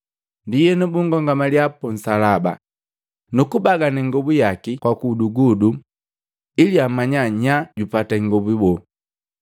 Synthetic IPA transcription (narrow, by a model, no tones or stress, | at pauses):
ndijɛnubuŋɡɔŋɡamaliapɔn̩salaba̰ | nukubaɡanɛŋɡɔbujakikwakuduɡudu | iliamaɲaɲaɟupataŋɡɔbibɔ